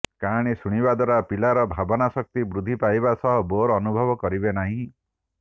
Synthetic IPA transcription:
kaɽ̃isuɽ̃ibad̪ʱwaɾapilaɾɔbʱabɔnasɔk̚t̪ibɾud̪ʱːipajbasɔɦɔboɾːnubʱɔbɔkɔɾibenaɦĩ

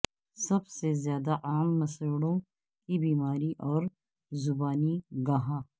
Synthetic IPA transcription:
sɐbsezjaːd̪aʔaːmːɐsəɽõ | kibiːmaːɾiʔɔːɾ | zʊbaːniɡaːɦaː

